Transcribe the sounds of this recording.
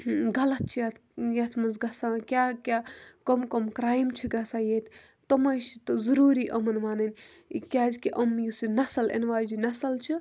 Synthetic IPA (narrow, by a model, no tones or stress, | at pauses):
ɡɐlɐt̪̚t͡ʃʰijɐt̪ʰjɐt̪ʰmɐnzɡɐsaːkʲaːkʲaːkomkomkɾaːjmt͡ʃʰiɡɐsaːjeːt̪ʰ | t̪ɐmɐjt͡ʃit̪ɨzuɾuːɾiːʔɐmɐnʋaːnɐnʲ | kʲaːzʲkiʔɐmjusinɐsɐlḛnʋaːd͡ʒinɐsɐlt͡ʃʰi